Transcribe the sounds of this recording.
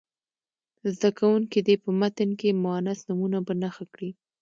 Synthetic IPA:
zd̪akawuŋkid̪epəmat̪ənkemʊanasnumunabanaxakɽi

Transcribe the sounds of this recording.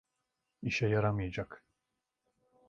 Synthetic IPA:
iʃɛjaɾamɯjad͡ʒak

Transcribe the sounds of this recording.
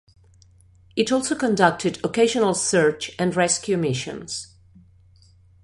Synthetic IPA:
ɨɾɔlˠsoʊkə̃ndʌk̚tʰɨɾəkʰeɪʒə̃nəl̩ˠsɜ˞t͡ʃɨ̃nɹɛskʰjʉmɪʃɨ̰̃nz̥

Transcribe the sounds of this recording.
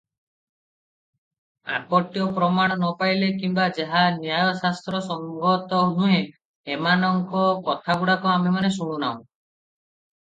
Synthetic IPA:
a̰kɔʈjɔpɾɔmaɽ̃ɔnɔpajlekimbad͡ʒaɦanjajɔsast̪ɾɔsɔŋɡɔt̪ɔɦũɦẽ | emanɔŋkɔkɔt̪ʰaɡuɽakuamemanesuɽ̃ũnaũ

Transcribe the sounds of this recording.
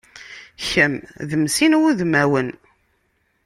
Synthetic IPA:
çəmðəmsinwuðmæwən

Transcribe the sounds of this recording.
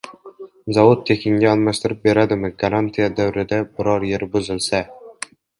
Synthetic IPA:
zɒvod̪̚t̪ʰekʲʰɪŋɡʲaɒlˠmast̪ɪɾɪp̚be̞ɾad̪ɪmɪɡaɾant̪ʰijad̪awɾɪd̪abɪɾɒɾje̞ɾbʊzɪlsa

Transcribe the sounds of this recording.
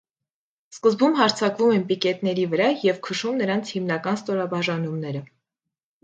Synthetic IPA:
skəzbumɦɑɾt͡sʰɑkvumɛnpikɛt̪nɛɾivəɾɑjɛvkʰəʃumnəɾɑnt͡sʰhimnɑkɑnst̪ɔɾɑbɑʒɑnumnɛɾə

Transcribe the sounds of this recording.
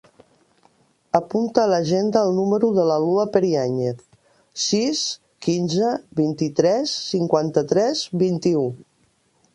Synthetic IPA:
əpunt̪əːləʒend̪əːlˠnuməɾuðələluəpəɾiaɲeθ | sis | kinzəβint̪it̪ɾɛsːiŋkwant̪ət̪ɾɛzβint̪iu

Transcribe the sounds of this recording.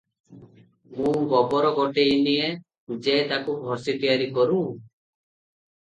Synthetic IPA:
mũːɡɔbɔɾɔɡɔʈeinie | d͡ʒet̪akubʱɔsit̪ijaɾikɔɾũ

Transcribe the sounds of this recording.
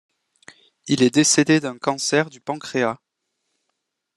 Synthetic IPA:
ilɛd̪esed̪ed̪ɛ̃kɑ̃sɛʁd̪ypɑ̃kχea

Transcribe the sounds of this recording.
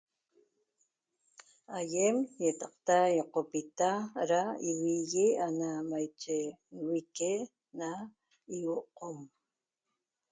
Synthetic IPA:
ajemjet̪ɑq̚t̪ajoqopit̪aɾaiwiɣianamajt͡ʃewike | na | iwoqom

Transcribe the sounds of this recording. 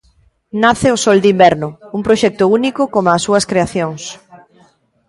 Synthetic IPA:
naθɪosɔld̪imbɛɾnʊuŋpɾoʃɛk̚t̪ʊunikʊkomasːuɐskɾeaθjoŋs

